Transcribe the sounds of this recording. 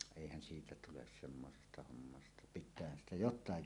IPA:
eˑihæn siːtæ tules semːosestɑ homːɑstɑ pitˑæːhæn stæ jotˑɑːj

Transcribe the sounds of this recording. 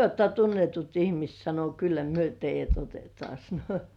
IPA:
oːtːɑ tunːetut ihmist sɑno kylːæ myø teijˑæt otetŏɑˑ sɑno

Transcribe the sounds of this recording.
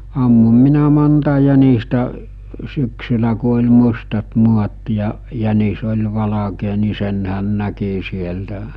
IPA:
ɑmːum minæ montɑ jænistæ syksylæ ku olʲ mustɑt muɑt jɑ jænis olʲ ʋɑlɑkeː ni senhæn næki sieltæ

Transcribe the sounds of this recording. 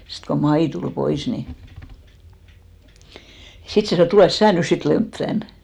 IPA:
sit ko mɑi tul pois ni sit se sɑnoˑ et tuleˑs sæː nys sit lemp tæn

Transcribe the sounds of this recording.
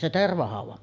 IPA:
se terʋɑhɑˑuʋɑm

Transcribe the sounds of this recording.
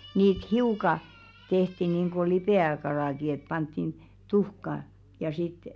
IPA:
niːt hiukɑ tehti niːŋɡ̊o lipeˑækɑlɑˑki et pɑntːin tuhkɑ jɑ sit

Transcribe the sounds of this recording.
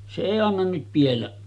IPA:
se eˑi ɑnːɑn nyt pielːæ

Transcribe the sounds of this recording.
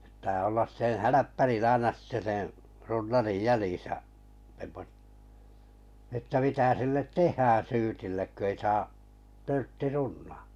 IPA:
p̆tˑæː olːɑs sẽː hælæpːærin ɑinɑ sitːe sẽː runːɑrij jæljiˑsæ semːot etːæ mitæ silːet tehˑæː syːtilːek kø ei sɑː tørtːi runːɑ̥ː

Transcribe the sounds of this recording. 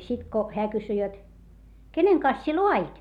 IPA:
sit ko heæ kysy jot keneŋ kɑns sie loɑit

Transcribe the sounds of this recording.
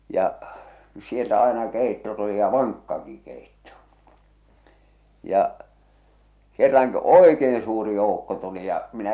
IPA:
jɑʔ sieltæ ɑˑenɑ keˑitːo tuli jɑ ʋɑŋkːɑki keˑitːo jɑʔ kerːɑŋkiʔ oˑekeːn suːri joˑukːo tuli jɑ minæ

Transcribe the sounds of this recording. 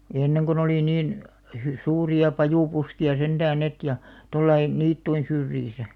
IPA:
j̆ɑ̆ enːeŋ kon oliˑ niːn hy suːriɑ pɑjuˑpuskiɑ sentæːn net jɑ tolːɑi niːtːuin syrjisæ

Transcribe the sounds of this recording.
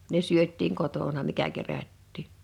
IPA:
ne syøtˑiːŋ kotonɑ mikæ kerætːiː

